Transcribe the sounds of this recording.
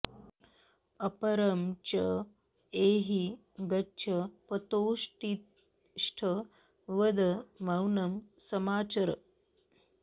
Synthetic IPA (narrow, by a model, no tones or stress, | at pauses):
ɐpɐɾɐmt͡ɕɐ | eːɦi | ɡɐt͡ʃʰɐpɐt̪oːʂʈit̪ | ʂʈʰə | ʋɐd̪ɐmɐwnɐmsɐmaːt͡ɕɐɾə̰